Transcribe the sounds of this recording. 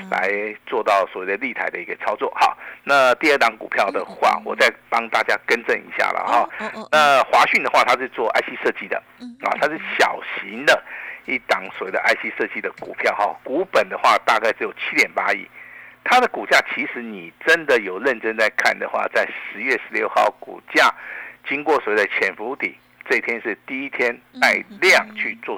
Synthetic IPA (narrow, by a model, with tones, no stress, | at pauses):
la̰˧˦ɪt͡swɔ˥˧t̪ɑ˥˩ʊswɔ˨˩we˥˩d̪ə˨˧li˥˨˩t̪ʰa˧˥ɪd̪ə˨˩i˧˥ɡə˧t͡sʰɑ˥ʊt͡swɔ˥˩xɑ̰˨˩˦na˥˧t̪i˥˧ə˥˩t̪ɑ˧˥ŋkṵ˨˩pʰjɑ˥˩ʊd̪ə˩xwa̰˥˩wɔ˨˩t͡sa˥˩ɪpɑ˥ŋt̪a˥˩t͡ɕja˥kə˥nʈ͡ʂə˥˧˩nḭ˧˥˦ɕja̰˥˩lə̰˩xɑ˨˩na˥˧xwa˧˥ɕy˥˩nd̪ə˩xwa˥˧t̪ʰa˥ʂɻ̩˥˧t͡swɔ˥˧ʔa̰˥˧ɪɕi˥ʂɤ˥˧t͡ɕi˥d̪ə̰˨ | ɑ̰˨˩t̪ʰa˥ʂɻ̩˥˩ɕjɑ˨˩ʊɕi˧˥ŋd̪ə˨i˥˩t̪ɑ˨˩ŋswɔ˨˩˦we˥˩d̪ə˧ʔa˥ɪɕi˥ʂɤ˥˧t͡ɕi˥d̪ə˨kṵ˨˩pʰjɑ˥˩ʊxɔ̰˥˩ku˧˥pə˨˩nd̪ə˨xwa˥˧t̪a˥˧ka˥˩ɪʈ͡ʂɻ̩˧˥jo˨˩ʊt͡ɕʰi˥t̪jɛ˨˩npa˥ḭ˥˩t̪ʰa˥d̪ə˨ku˨˩t͡ɕja˥˩t͡ɕʰi˧˥ʂɻ̩˧˥ni˨˩ʈ͡ʂə˦˥nd̪ə˨jo˨˩ʊɻə˥˨nʈ͡ʂə˥nt͡sa˥˧ɪkʰa̰˥˩nd̪ə̰˩xwa̰˥˧t͡sa˥˩ɪʂɻ̩˧˥ɥɛ˥˩ʂɻ̩˧˥ljo˥˧ʊxɑ̰˥˩ʊkṵ˨˩t͡ɕja˥˩t͡ɕi˥ŋkwɔ˥˩swwe˥˩d̪ə˨˩t͡ɕʰjɛ˧˥nfu˧˥˧t̪ḭ˨˩˦ | ʈ͡ʂɤ˥˧˥t̪ʰjɛ˥nʂɻ̩˥˩˧t̪i˥˩i˥t̪ʰjɛ˥nt̪a˥˩ɪljɑ˥˨˩ŋt͡ɕʰy˥˧t͡swɔ˥˧